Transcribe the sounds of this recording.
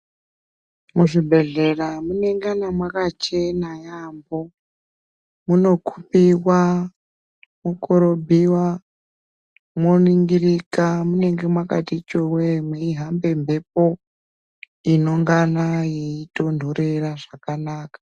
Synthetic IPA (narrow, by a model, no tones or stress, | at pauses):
muʐibʱe̞ɮe̞ramune̞ŋɡanamwakat͡ʃe̞najambo̞ | muno̞kʰu̥piwa | mukʰoɾo̞bʱiwa | mwoniŋɡiɾikamune̞ŋɡe̞mwakatit͡ʃowemweiɦambe̞mbe̞p̚o | ino̞ŋɡanajeito̞ndʱoɾeraʐakanaːkḁ